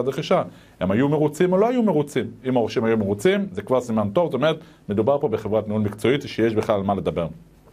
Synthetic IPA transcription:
ad̪ʁeχiʃa | hemajume̞ʁut͡simo̞lo̞ajumeʁut͡simimaoʃimhajumeʁut͡simzekvaʁsimant̪o̞vzsotomeʁet̪ | me̞d̪ubaʁpo̞be̞χe̞vʁat̪niunmikt͡so̞it̪ʃejeʃbeχlalmale̞d̪abe̞ʁ

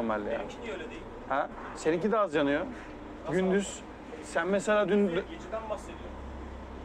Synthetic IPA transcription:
ɾma̰lʲːeja̰ | hɛ | seniŋcid̪aazjanɯjo | ɡynd̪yz̥ | sænmeselʲaːd̪yn | ased̪ijo

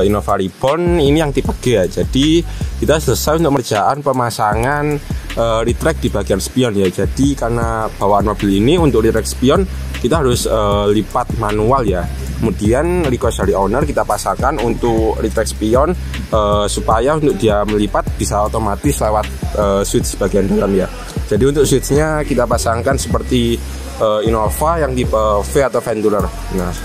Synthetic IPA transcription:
inofaɾib̥ɔninijaŋt̪ipəɡ̥ɛd͡ʒad̥ikit̪asələsajunt̪ʊk̚mərd͡ʒ̥aʔanpəmasaŋanəɾit̪ɾɛk̚d̥i̤b̥aɡ̥ianspiɔnjad͡ʒad̥ikanab̥awaanmobɪliniunt̪ʊk̚ɾit̪ɾɛk̚spiɔn | kit̪aɦaɾʊsəːlipat̪̚manualja | kəmud̥ianɾikɔsalionərkit̪apasaŋkanunt̪ʊkrit̪ɾɛkspiɔn | əːsupajaunt̪ʊk̚diaməlipat̪̚b̥isaot̪omat̪ɪslewat̪̚əːsuwɪt̪̚səb̥aɡiandalamja | d͡ʒ̥adiunt̪ʊk̚swɪt̪sɲakit̪apasaŋkansəpərt̪i | əinofajaŋdiəfeat̪awfɛnt̪ulər | nah

